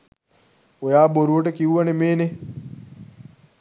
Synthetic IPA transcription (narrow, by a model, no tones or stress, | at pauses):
ojaːboɾuʋɐʈəkiuʋɐnemeːne